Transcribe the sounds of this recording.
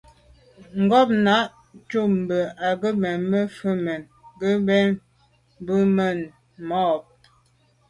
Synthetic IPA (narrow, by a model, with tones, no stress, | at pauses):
ŋ̩˨ɡɔ˦˨p̚na˨˦ʔ | t͡ʃu˦m̩˨bə˨a˨ɡə˦mɛ˨nmə˦fə˦mɛ˨n | ɡə˦bɛ˦n | bə˦mə˨n | mɔ˦˨p̚